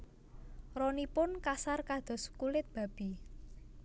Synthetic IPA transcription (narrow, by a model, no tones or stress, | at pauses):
rɔnipʊnkasarkad̪̥ɔ̤skulɪt̪̚b̥ä̤b̥i̤